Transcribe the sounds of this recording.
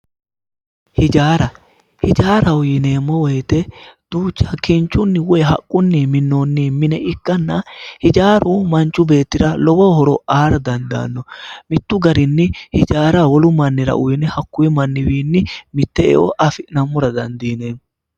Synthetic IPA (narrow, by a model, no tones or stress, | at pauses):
hɪd͡ʒaːɾɐ | hɪd͡ʒaːɾɐʊjɪneːmːɔwɔjt̪ɛd̪̥uːt͡ʃːɐkɪnt͡ʃːʊnːɪwʊɛɦɐkʼːʊnːiːmɪnːoːnːiːmɪnɛʔɪkːɐnːɐhɪd͡ʒaːɾʊmɐnt͡ʃːʊbe̞ːt̪ːɪɾɐlɔbɔhɔɾɔʔaːɾɐd̪ɐnd̪a̰ːnːɔmɪt̪ːʊɡɐɾɪnːɪhɪd͡ʒaːɾawɔlʊmɐnːɪɾɐ̰ʔʊjɪnɛhɐkːʊjɪmɐnːɪwiːnːɪmɪt̪ːɛɛ̰ʔɔ̰ʔɐfɪnɐmːʊɾɐd̪ɐnd̪iːneː